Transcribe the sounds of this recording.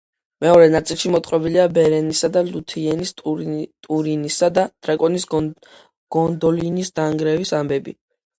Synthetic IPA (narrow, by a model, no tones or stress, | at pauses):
mɛɔɾɛnat̪sʼilˠʃimɔt̪ʼχʼɛbiliabɛɾɛnisad̪alut̪ʰiɛnist̪ʼuɾinisad̪ad̪̥ɾakʼɔnis | ɡ̥ɔnd̪ɔlinisd̪̥aŋɡɾɛvisambɛbḭ